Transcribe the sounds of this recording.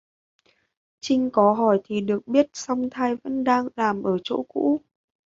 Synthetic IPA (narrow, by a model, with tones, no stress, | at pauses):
t͡ɕï˧ŋ̟kɔ˨˦ɦɔ˧˩jt̪ʰi˨˩ɗɨ˨˩ək̚ɓi˦˥ət̚sa˧wŋ͡mt̪ʰaː˧jvə̰˧˥nɗaː˧ŋlaː˨˩mʔəː˧˩t͡ɕo̰˧˥kṵ˧˥